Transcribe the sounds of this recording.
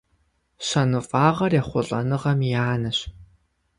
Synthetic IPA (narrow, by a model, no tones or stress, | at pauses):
ɕɐnɨfaːʁɐrjɛχʷʊɬʼɐ̰nɨʁɐmjaːnɨɕ